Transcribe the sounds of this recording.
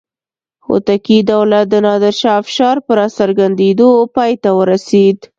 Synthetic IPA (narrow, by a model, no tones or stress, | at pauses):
o̰t̪akid̪awlat̪̚d̪ənɑd̪əɾʃɑfɪ̥ʃɑɾpəɾɑsaɾɡand̪ed̪opɑjt̪awəɾased̪